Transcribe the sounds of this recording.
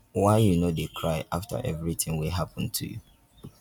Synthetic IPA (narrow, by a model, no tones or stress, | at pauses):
waɪjunodekʰɹaɪʔaftʰə̰ʔɛvɹitɪ̃ŋwilɦapə̃n̩tʰṵjṵ